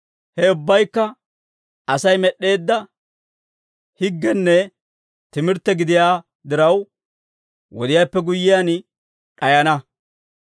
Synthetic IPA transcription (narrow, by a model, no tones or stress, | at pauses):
hɛʊbːɐjkːɐ | ʔɐsɐjmɛɗːe̞ːd̪ːɐ | hɪɡːɛnːɛ | t̪ɪmɪɾt̪ːɛɡɪd̪ɪjaː | d̪ɪɾɐw | wɔd̪ɪjaːpːɛɡʊjːɪjaːn | ᶑɐjɐnɐ